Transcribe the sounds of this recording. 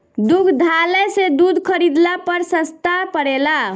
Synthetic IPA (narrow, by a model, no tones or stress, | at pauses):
d̪ukʰd̪ʱalɛsed̪ud̪ʱkʰəɾid̪lapəɾsəst̪apəɽela